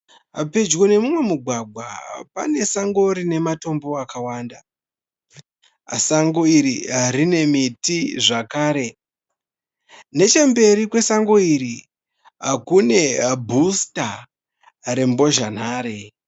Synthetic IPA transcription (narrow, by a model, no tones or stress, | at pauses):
a̰ped͡ʒɣone̞mumwe̞muɡʱwaɡʱwapa̰ne̞saŋɡo̞ɾine̞mato̞mbo̞akawaːnda | saŋɡo̞iɾiarine̞mitiʐakaːɾe̞ | ne̞t͡ʃe̞mbe̞ɾikwe̞saŋɡo̞iɾi | akune̞bʱusta | ɾe̞mbo̞ʒan̤aːɾe